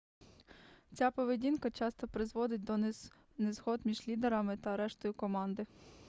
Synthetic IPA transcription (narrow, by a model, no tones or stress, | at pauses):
t͡sʲapɔʋedʲinkɐt͡ʃɑst̪ɔpɾɪzʋɔd̪ɪt̚ʲd̪ɔ | nezɦɔd̪mʲiʒlʲid̪eɾɐmɪt̪ɐɐɾɛʃt̪ɔjʊkɔmɑnd̪ɪ